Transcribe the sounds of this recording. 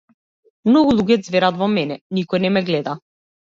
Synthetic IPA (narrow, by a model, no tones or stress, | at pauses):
mnɔɡulˠuɟɛd̪zvɛɾat̪vɔmɛnɛnikɔjnɛmɛɡlɛd̪a